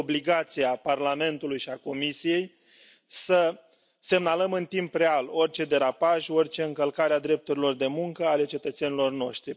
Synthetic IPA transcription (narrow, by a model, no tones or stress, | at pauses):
obliɡat̪sijaparlame̞nt̪ulujʃiako̞misije̞j | sə | se̞mnaləmɨnt̪impre̞alo̞rt͡ʃe̞d̪e̞ɾapaʃo̞rʲt͡ʃe̞ɨŋkəlkaɾead̪ɾe̞p̚t̪uɾilo̞rd̪e̞muŋkəale̞t͡ʃe̞t̪ət̪se̞nilo̞rno̞ʃt̪ɾi